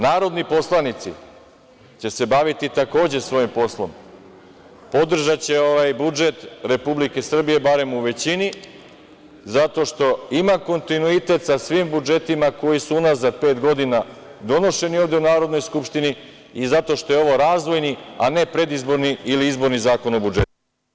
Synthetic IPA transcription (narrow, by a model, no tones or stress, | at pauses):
naːɾo̞d̪nipo̞slˠanit̪sḭ | t͡ɕe̞se̞baʋit̪it̪ako̞ːd͡ʑe̞sʋo̞jimpo̞slˠo̞̰m | po̞d̪r̩ʒat͡ɕe̞o̞ʋajbud͡ʒe̞t̪ɾe̞publike̞sr̩bije̞baɾe̞muʋe̞t͡ɕini | zat̪o̞ʃt̪o̞imako̞nt̪inuit̪e̞t̪sasʋiːmbud͡ʒe̞t̪imako̞jisuunazad̪̚pe̞ːt̪ɡo̞d̪inad̪o̞no̞ʃe̞nio̞ʋvd̪e̞unaːɾo̞d̪no̞jskupʃt̪ini | izat̪o̞ʃt̪o̞jeo̞ʋo̞ɾaːzʋo̞jniane̞pɾe̞d̪izbo̞ɾniiliizbo̞ɾnizaːko̞no̞bud͡ʒet̪u